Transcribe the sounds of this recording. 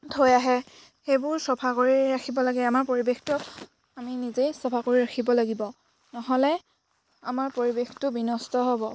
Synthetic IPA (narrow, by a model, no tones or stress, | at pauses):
dʰʱojaɦɛ | xejbʊɹsɔpʰakoɹiɹaxʰibɔlaɡɛamaɹpoɹibextʊ | aminizejsɔpʰakoɹiɹakʰibɔlaɡibɔ | nɔɦɔlɛ | a̰maɹpoɹibextʊbinɔstɔɦɔbɔ